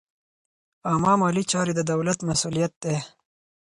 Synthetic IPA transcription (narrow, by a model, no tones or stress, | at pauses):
amɑːmaːlit͡ʃɑːɾid̪əd̪ɐwlɐt̪mɐsuːlijɐt̪̚d̪e